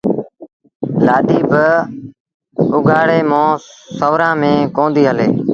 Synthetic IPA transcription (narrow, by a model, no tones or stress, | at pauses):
laːɗiːbə | ʊɡʱaːɽeːmõːsəːʋɾãːmẽːkõːnd̪iːɦəleː